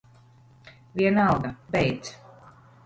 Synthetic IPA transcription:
viɛnalˠɡabɛjt̪s

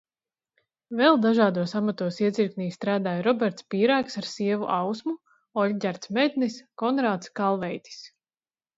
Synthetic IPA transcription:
vɛlˠd̪aʒaːd̪uɔsamat̪uɔsiɛt̪ziɾkniːst̪ɾaːd̪aːjɾɔbʲɛɾt̪spiːɾæːksaɾsiɛvṵʔawsmu | ɔlʲɟʲaɾt̪smed̪ʲniskɔnɾaːt̪skalˠvɛjt̪ʲi̥s

